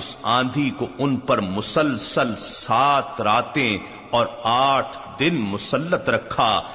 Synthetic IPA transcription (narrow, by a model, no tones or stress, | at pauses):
ʊsãːnd̪ʱikoʊnpɐɾmʊsəlsəlsaːt̪ɾaːt̪ẽ | ɔːɾaːʈʰ | d̪ɪnmʊsəlːət̪ɾɐkʰːaː